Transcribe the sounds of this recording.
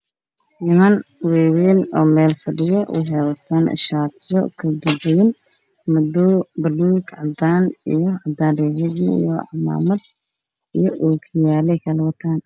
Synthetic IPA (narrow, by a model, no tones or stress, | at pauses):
nɪmɐnwɛːwɛːnɔ̰ːmɛːlfɐɖɪjɐwʔɑ̰ħawɐt̪ʰaːn̰ʃaːt̪ʰɪjɔ̰kʰɐd͡ʒɐd͡ʒɛjɪn | mʊd̪uːbɐluːɡʕɑd̪aːnijɔʕɑd̪aːnɛʕɪɡmḭjɔɑ̰ʕma̰ːmɐd̪̚ | ijɔʔuːkʰɪjaːlɛjkʰɐlɐwɐt̪ʰaːn